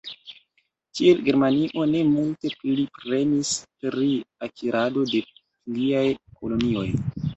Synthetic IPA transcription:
kielɡe̞ɾmaniʔo̞ne̞multe̞pilipɾe̞nispɾiakʰiɾʔado̞de̞ | liajkolo̞nio̞j

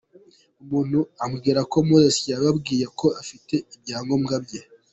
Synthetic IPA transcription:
umuːn̥huamɡiːɾako̞muzesijaβabɡiːjeko̞afite̞imjaːŋɡo̞mɡabje

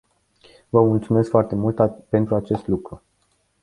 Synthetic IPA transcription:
vəmult̪sume̞skfoart̪e̞mult̪pe̞nt̪ɾuat͡ʃe̞st̪lukɾu

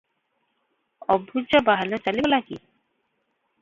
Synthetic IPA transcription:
ɔbʱːud͡ʑɔbaɦalɔt͡ɕalibɔlakḭ

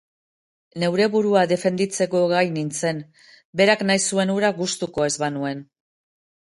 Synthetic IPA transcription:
ne̞wɾe̞βuɾuaðe̞fe̞nd̪it͡se̞ko̞ɣajnint͡se̞n | be̞ɾaknajsue̞nuɾaɣust̪uko̞e̞zβanue̞n

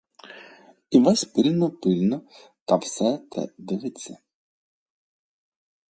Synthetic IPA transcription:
iʋasʲpɪlʲnɔpɪlʲnɔ | t̪afsɛt̪ɛ̰d̪ɪʋɪt͡sʲːɐ

